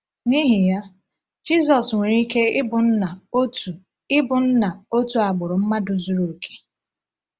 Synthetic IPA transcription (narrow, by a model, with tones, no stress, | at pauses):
ni˦ɦi˨ja˦ | d͡ʒi˦zɔ˨sŋʷe˨ɾi˦ke˦ɪ˦bʊ˨n̩˦na˨o˦tu˨ | ɪ˦bʊ˨n̩˦na˨o˦tu˨a˨ɡ͡bʊ˨ɾʊ˨m̩˦ma˦dʊ˨zu˨ɾo˨kʰe̥˨